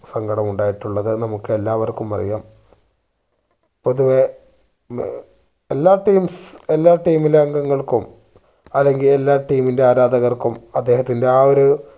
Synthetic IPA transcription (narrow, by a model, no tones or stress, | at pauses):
sɐŋɡʱɐɽɐmuɳɖaːjiʈːuɭːɐðɨnɐmukːɨe̞lːaːʋɐrkumɐ̰rḭjaːm | po̞ðuʋe | elːaːʈːiːmse̞lːaːʈːiːmileɐŋɡɐŋːɐɭkum | ɐlːeŋɡile̞lːaːʈiːminde̞aːɾaːd̪ɐɣɐrkumɐd̪ːe̞ːɦɐt̪ːinde̞aːoɾu